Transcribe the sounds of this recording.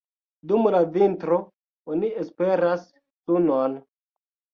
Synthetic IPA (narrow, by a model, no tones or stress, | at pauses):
dumlavintɾo | oniespe̞ɾas | sunon